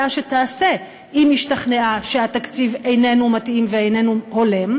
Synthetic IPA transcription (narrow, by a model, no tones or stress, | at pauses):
aʃetaːse | imiʃtaχne̞aʃehatakt͡sivejne̞numatʔimveejne̞nuholem